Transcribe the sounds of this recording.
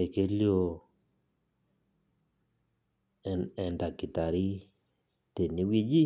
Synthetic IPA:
e˨ke˦ljo˦˨ | ɛ˨nda˨ki˨t̪a˨ɾi˦ | t̪e˨ni˦wi˦d͡ʒi˦

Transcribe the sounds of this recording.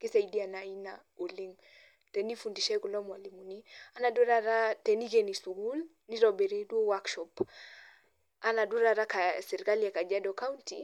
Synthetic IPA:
ki˦sa˨i˨di˦a˨na˨i˦na˨o˨li˦ŋ | tɛ˨ni˦fu˨ndi˨ʃɛ˦ku˨lɔ˦mwa˨li˨mu˨ni˦a˦na˨do˦ɾa˦ɾa˦tɛ˨ni˦ke˨ni˨su˨ɡu˦l | ni˦ɾɔ˨bɛ˨ɾe˦do˦wa˦kʃɔp | a˦na˨du˦ɾa˦˨ɾa˦kasɛ˨ɾi˨ka˦lia˨ka˨d͡ʒa˦dɔ˨ka˦u˦ntḭ˨

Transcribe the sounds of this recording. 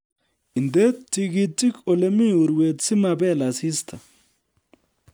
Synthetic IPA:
i˨nd̪e˦ti˨ɡi˦tːi˦ko˨le˦mi˦u˨ɾwe˨t̪si˦ma˨bɛ˦˨la˨si˦st̪ʰa˨

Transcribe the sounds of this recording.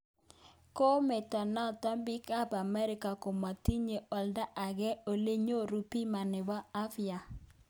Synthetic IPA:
ko˦mɛ˨ta˨na˦˨ta˦mbi˦ka˦ba˨mɛ˦ɾɪ˦ka˨ko˨ma˨ti˦ɲe˨ɔ˨lda˦ʔa˨ɡɛ˦o˨le˦ɲo˦ɾu˨pi˦ma˨nɪ˨baː˦fja˨

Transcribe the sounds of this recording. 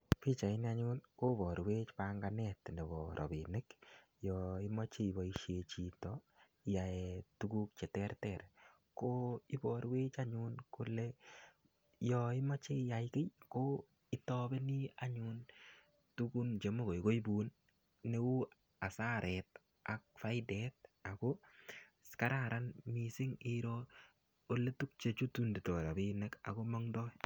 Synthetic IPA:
pi˦t͡ʃa˨i˦ni˦aɲu˦nko˦bɔ˨ɾwe˦t͡ʃpaŋɡanɛtnɛ˨bɔɾʔɔ̰˨binɪ˦k | jɔi˦mɔ˦t͡ʃe˦ibɔ˨iʃe˨t͡ʃi˨tɔ | i˨jaɛtuku˦k̚t͡ʃɛ˨tɛ˦rtɛɾ | ko˦i˦bɔ˨ɾwe˦t͡ʃaɲunku˦lɛ | jɔi˦mɔ˦t͡ʃe˦ja˨ɪke˦jko | ɪ˦tɔbɛ˦nɪ˦a˦ɲun | tuku˦nt͡ʃe˨mo˦ko˨jko˦i˦bu˨nː | e˦u˦ | a˨saɾʔɛt | a˨k̚fa˦jɪdɛt̚a˨ko˦skaɾaɾanmisɪ˦ŋɪɾo | o˨le˦tu˦k̚t͡ʃe˨t͡ʃu˦tu˦ndi˨to˨ɾa˨bɪ˦nɛka̰˨koma˦ŋdɔ˦

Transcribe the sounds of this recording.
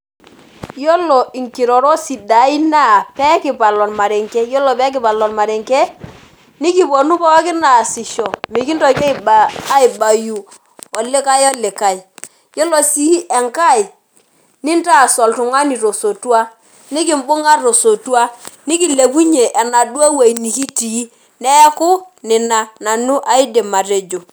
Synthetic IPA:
jɔ˦lɔ˨i˨ŋki˨ɾɔ˨ɾɔ˦si˨da˨i˦na˦˨pɛ˦kɪ˨pa˨lɔ˨nma˨ɾɛ˨ŋkɛ˦jɔ˦lɔ˨pɛ˦kɪ˨pa˨lɔ˨nma˨ɾɛ˨ŋkɛ˦ | ni˦ki˨bo˨nu˦pɔ˦kɪ˦na˨si˨ʃɔ˨mi˨ki˦n˦tɔ˨˦kɛ˦i˨ba˨a˦i˨ba˨ju˨ | ɔ˨lɪ˦ka˦jɔ˦lɪ˨ka˨i˨ | jɔ˦lɔ˨si˦ʔɛ˨ŋka˦˨i˨ | ni˦n˦ta˦˨sɔ˨ltʊ˨ŋa˦ni˨to˨so˨tu˦a˦ | nɪ˦kɪ˦˨m˦bʊ˦ŋa˦ɾo˨so˨tu˦a˦ni˦ki˨le˨ku˦ɲe˨ʔɛ˨na˨du˦a˦we˨i˨ni˨ki˦ti˨˦ | nɛ˦kʊ˦ | nɪ˨na˨na˨nu˦ʔa˨i˦de˨ma˨te˨d͡ʒo˨

